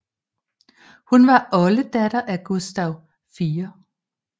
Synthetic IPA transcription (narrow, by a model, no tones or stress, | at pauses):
hunʋɑ̈ʔɒ̽ləd̥æɾ̥ɐʔæɡ̥usd̥æʊ̰ | fiːɐ